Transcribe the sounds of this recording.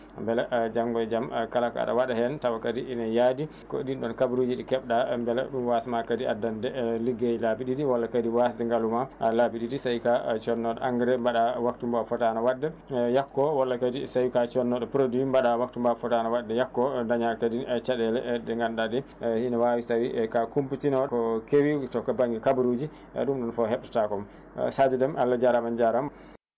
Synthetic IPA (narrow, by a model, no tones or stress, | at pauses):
mbɛlad͡ʒaŋɡɔd͡ʒamkalaka̰ɗa̰waɗahɛntawakadiinajaːdi | kɔdinɗɔnkabuɾuːd͡ʒiɗikɛɓɗambɛla̰ɗumwasmakadia̰dːandɛliɡejlabiɗidiwɔlːakadiwasdɛŋɡalumalabiɗidisajkat͡ʃɔnːɔɗɔ̰ʔa̰ŋɡɛɾɛmbaɗawaktumbafɔtanawadːɛjakːɔwalːakadisawikat͡ʃɔnːɔɗɔpɾodimbaɗawak̚tumbafɔtanawadːɛjakːɔdaɲalkadit͡ʃaɗɛlɛ̰dɛŋɡandadɛhinawawisawikakumpitinɔkɔkewitɔkːabaŋɡikabuɾud͡ʒi | ɛ̰ɗumɗɔnfɔhɛɗɗu̥takɔm̰ | sad͡ʒɛdɛmalːad͡ʒaɾamand͡ʒaɾam